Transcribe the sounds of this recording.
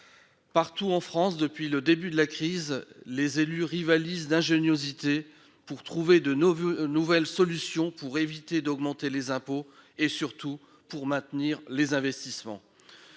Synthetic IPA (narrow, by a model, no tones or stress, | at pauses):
paʁt̪uɑ̃fχɑ̃sd̪əpɥiləd̪ebyd̪əlakχizlezelyʁivalizd̪ɛ̃ʒenjozit̪e | puʁt̪χuved̪ənuvɛlsɔlysjɔ̃puʁevit̪ed̪ɔɡmɑ̃t̪elezɛ̃poesyʁt̪u | puʁmɛ̃t̪niʁlezɛ̃vɛst̪ismɑ̰̃